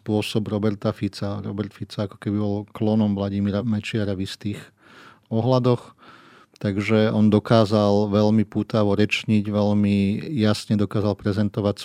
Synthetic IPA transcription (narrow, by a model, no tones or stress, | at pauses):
spʊɔsɔbɾɔbɛɾt̪afit͡saɾɔbɛɾt̪fit͡saakɔ̥kɛbibɔlklɔnɔmʋlaɟimiɾamɛt͡ʃɪaɾavist̪iːx | ɔɦlad̪ɔx | t̪aɡʒɛɔnd̪ɔkaːzalʋɛʎmipuːt̪aʋɔɾɛt͡ʃɲiɟʋɛʎmijasɲɛd̪ɔkaːzalpɾɛzɛnt̪ɔʋacs